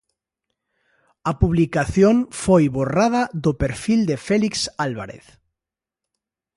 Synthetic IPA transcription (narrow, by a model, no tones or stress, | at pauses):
apuβlikaθjoŋfojβorað̞aðopeɾfild̪efɛliksalβa̰ɾḛθ